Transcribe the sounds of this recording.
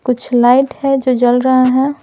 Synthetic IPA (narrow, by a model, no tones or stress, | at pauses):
kʊt͡ʃʰlaːɪʈhɛd͡ʒod͡ʒəlɾəɦaɦɛ̃